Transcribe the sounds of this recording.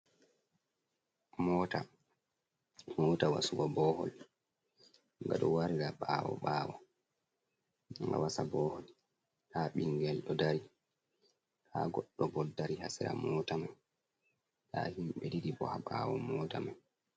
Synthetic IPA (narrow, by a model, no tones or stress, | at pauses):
mɔːta | mɔːtawa̰suɡɔbɔːhɔ̰l | ŋɡaɗɔwaɾiɾaɓawɔ̰ɓaːwɔ | ŋɡa̰wasabɔːhɔl | tʰaɓiŋɡɛlɗɔdaɾi | tʰaɡɔɗːɔbɔdaɾihasiɾa̰mɔːtamaj | tʰaːhimɓɛdidibɔhaɓawɔmɔːtamaj